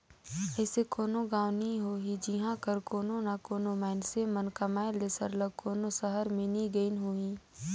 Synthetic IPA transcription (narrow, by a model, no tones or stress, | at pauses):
ɛːsekoːnoɡaːʋniɦoːɦid͡ʒiɦãkəɾkoːnonakoːnomaːnsemənkamaːelesəɾləɡ̚koːnosəɦəɾmɪ̃niɡəinɦoĩː